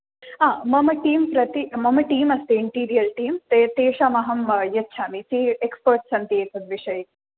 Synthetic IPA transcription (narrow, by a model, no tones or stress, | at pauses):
aːmɐmɐʈiːmpɾɐt̪imɐmɐʈiːmɐst̪eɪɳʈiːɾijɐlʈiːmt̪et̪eːʃaːmɐɦɐmjɐtːʃʰaːmisiekspoɾʈsɐnt̪eːsʰɐd̪ʋiʂɐji